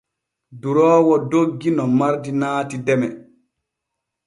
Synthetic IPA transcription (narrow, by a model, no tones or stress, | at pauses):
duɾɔːwɔdoɡːinɔmaɾdinaːtidɛmɛ